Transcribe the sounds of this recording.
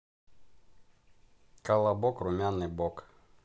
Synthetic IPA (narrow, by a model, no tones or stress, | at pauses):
kalˠabɔkrʊmʲanɨbɔk